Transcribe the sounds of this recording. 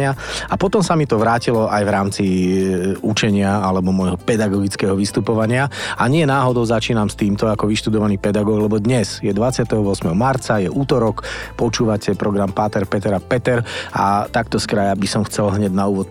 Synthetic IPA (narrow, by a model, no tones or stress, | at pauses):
ɪaapɔt̪ɔmsamit̪ɔʋɾaːcilɔʔajvɾaːmt͡si | ut͡ʃɛɲɪaalɛbɔmɔjɦɔpɛd̪aɡɔɡit͡skɛːɦɔʋist̪upɔʋaɲɪaaɲɪɛnaːɦɔd̪ɔʊzat͡ʃiːnamst̪iːmt̪ɔakɔʋiʃt̪ud̪ɔʋaniːpɛd̪aɡɔːɡlɛbɔd̪ɲɛzjɛd̪ʋat͡sɪat̪ɛɦɔʋʊɔsmɛɦɔmaɾt͡sajɛʔuːt̪ɔɾɔkpɔt͡ʃuːʋacʰɛpɾɔɡɾampat̪ɛɾpɛt̪ɛɾapɛt̪ɛɾa̰t̪akt̪ɔskɾajabisɔmxt͡sɛlɦɲɛɟnauːʋɔt̪